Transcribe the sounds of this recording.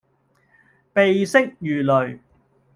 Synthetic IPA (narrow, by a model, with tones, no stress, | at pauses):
pe˨jsɪ˥k̚jyː˨lɵ˨ɥ